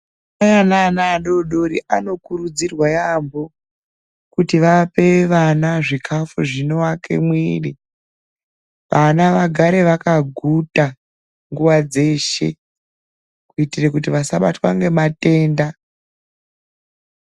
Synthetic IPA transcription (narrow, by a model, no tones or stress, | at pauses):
ajanaːnaːɗo̞ɗo̞ɾiʔano̞kuɾud͡zirwajambo | kutiʋape̞ʋanaʐikʰafuʐino̞wakʰe̞̰mwiːri | ʋanaʋaɡʱaɾe̞ʋakaɡʱuta | ŋɡuʋad͡ze̞ːʃe̞̰ | kuitirekutiʋasaɓa̰twaŋɡe̞mate̞ːnda